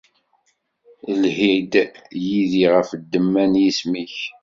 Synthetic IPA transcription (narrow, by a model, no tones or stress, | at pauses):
lhid̪jiðiʁəfəd̪ːəmːænjismiç